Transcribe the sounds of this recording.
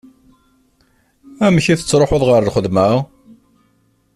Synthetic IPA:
æməçiθə̥t͡sːɾˤoħoðˤʁəɾlχəðmæ

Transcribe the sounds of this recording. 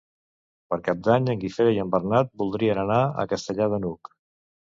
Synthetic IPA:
pəɾkap̚d̪aɲəŋɡifeɾəjəmbərnat̪̚bulˠd̪ɾiənənaə̰kəst̪əʎaðənuk

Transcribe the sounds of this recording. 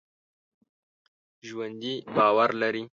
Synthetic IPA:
ʒwand̪ibɑːwaɾlaɾi

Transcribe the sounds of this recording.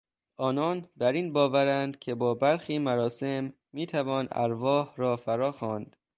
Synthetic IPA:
ʔɒːnɒːnbæɾiːnbɒːvæɾænd̪̥cʲʰe̞bɒːbæɾxiːmæɾɒːse̞mː | iːt̪ʰævɒːnæ̰ɾvɒːhɾɒːfæɾɒːxɒːnd̪̥

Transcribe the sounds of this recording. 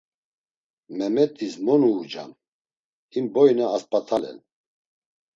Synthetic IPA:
mɛmɛt̪ʼismɔnuːd͡ʒa̰n | imbɔjnaːspʼat̪ʰalɛ̰n

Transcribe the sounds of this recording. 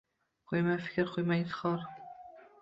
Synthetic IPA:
qʰojmajfɪ̥kʲɾqʰojmajɪt̪ɨ̥χʰɒɾ

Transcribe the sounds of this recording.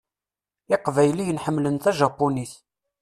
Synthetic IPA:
ɪqvæjlijənħəmːlənt̪æʒɑpːuniθ

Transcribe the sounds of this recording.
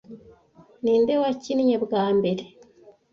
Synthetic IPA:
niːndewaciniɲebɡaːmbe̞ɾe

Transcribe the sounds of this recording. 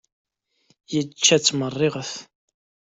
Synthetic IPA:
jət͡ʃːæt͡sːmərˤːɪʁəθ

